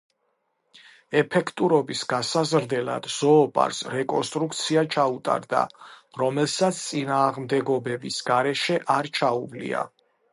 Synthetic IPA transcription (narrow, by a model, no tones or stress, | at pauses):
ɛpʰɛkʰt̪ʼuɾɔbisɡasazɾd̪ɛla̰d̪̥z̥ɔːpʼa̰ɾsɾɛkʼɔnst̪ʼɾukʰt̪sʰiat͡ʃʰaut̪ʼa̰ɾd̪a̰ɾɔmɛlˠsat̪sʰt̪sʼinaːʁmd̪ɛɡɔbɛbisɡ̥aɾɛʃɛʔaɾt͡ʃʰauvlḭa̰